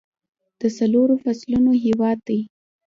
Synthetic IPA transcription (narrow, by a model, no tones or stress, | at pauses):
d̪̥əsaloɾofaslunoɦewɑd̪̚d̪aj